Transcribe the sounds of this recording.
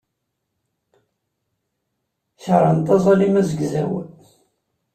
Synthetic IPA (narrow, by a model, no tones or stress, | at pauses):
çɾˤɑnt̪ɑzˤɑlimæzəɡzæ̰w